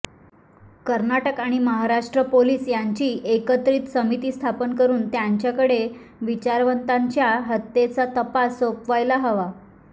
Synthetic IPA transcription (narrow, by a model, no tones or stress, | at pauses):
kəɾnaʈəkaɽ̃iməɦaɾaʂʈɾəpoliːsjaɲt͡ɕiːʔekət̪ɾiːt̪səmit̪iːst̪ʰapənkəɾuːnt̪jaɲt͡ɕjakəɽe | ʋit͡ɕaɾʋənt̪aɲt͡ɕjaɦət̪ːet͡sat̪əpasopʋajlaɦəʋa